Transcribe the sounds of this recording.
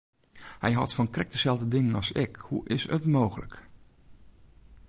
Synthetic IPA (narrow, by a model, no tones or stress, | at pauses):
hɛjɦɑ̰tfɔnkrɛk̚dəz̥ɛlˠvdədɪŋənɑsɪkhuʔɪsətmoːɣələ̰k